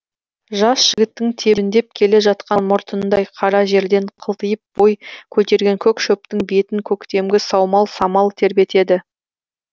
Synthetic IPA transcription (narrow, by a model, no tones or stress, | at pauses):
ʒɑsʒ̥ɪɡʲɪt̪ːɪŋt̪ʰe̞bɪnd̪e̞p̚kʲʰe̞le̞ʒɑt̪qɑnmʊɾt̪ənd̪ɑjqʰɑɾɑʒe̞ɾd̪e̞ɴqʰəlˠt̪əjəp̚b̥o̞jkʲʰɵt̪e̞ɾɡʲe̞ŋkʲʰɵkʃɵp̚t̪ɪŋbe̞t̪ɪŋkʲʰɵkt̪e̞mɡʲɪsɑwmɑlˠsɑmɑlˠt̪ʰe̞ɾbe̞t̪e̞d̪ɪ